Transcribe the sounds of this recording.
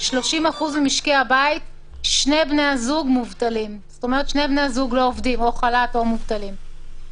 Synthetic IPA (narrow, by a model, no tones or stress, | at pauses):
ʃlo̞ʃimaχuzmemiʃkehabait̚ | ʃne̞jbnejazuɡmuvt̪alimz̥oto̞me̞ʁet̪ʃnejbnejazuɡlo̞ovdimoχalatomuvt̪alim